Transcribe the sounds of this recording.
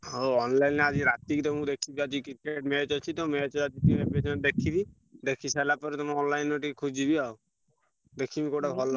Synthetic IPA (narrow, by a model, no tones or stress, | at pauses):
ɦoɔnlainad͡ʒiɾat̪ikt̪ɔmũkd̪ekʰibiad͡ʒikiɾkeʈmet͡ʃɔt͡ʃʰit̪ɔmet͡ʃɔad͡ʒit̪iepet͡ʃʰd̪ekʰibi | d̪ekʰisalapɔɾet̪ɔmɔnlajnːoʈikekʰud͡ʒibiao | d̪ekʰimikoʈabʱɔlɔ